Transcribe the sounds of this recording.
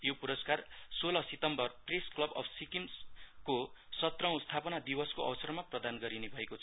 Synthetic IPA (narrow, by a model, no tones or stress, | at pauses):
jopuɾʌskarsolʌsit̪ʌmbʌrpresklʌbʌ̰bʰsikimskosʌt̪rʌ̃w̃st̪ʰapʌnad̪ibʌskoʔʌ̰wsʌrmaprʌd̪anɡʌɾinebʱʌekot͡sʰʌ